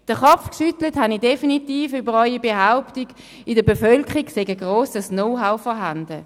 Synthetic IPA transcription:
d̥əχɔfkʃytləthanidefinitiːfybəʁɔʏibeɦaʊptiɡ̥ | idəbefœlkχiɡseɡəɡʁoːsəsnoʊɦaʊfɔɦandə

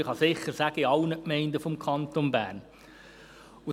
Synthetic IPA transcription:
ɪχɑsɪχːəɾsæɡ̥əiɑʊnəkmɛɪnd̪əfɔmkʰɑnt̪onbæːrn | ʊ

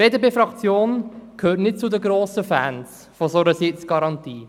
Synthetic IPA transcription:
eːdebeːfɾɑkt͡sjoːnkʰhøːtnɪt̚t͡sudəɡɾoːsəfæːns | fozoɾəsɪt͡sɡ̥ɑɾɑntiː

